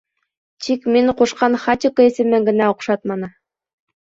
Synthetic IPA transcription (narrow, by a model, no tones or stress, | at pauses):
t̪ʰikmiŋquʃqɑnχat̪ʲɪkəisɘ̆mɘ̆ŋɡɘ̆næuqʃɑt̪̚mɑnɤ̆